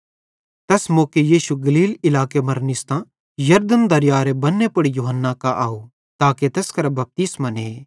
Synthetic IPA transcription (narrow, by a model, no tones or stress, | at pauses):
t̪ɛsmoːkejiːʃuɡɐliːlɪlaːkemɐɾnɪst̪ã | jɐɾd̪ənd̪ɐɾjaːɾebɐnːepɐɽijuɦənːakaʔaːu | t̪aːket̪ɛskɐɾɐbɐp̚t̪ismane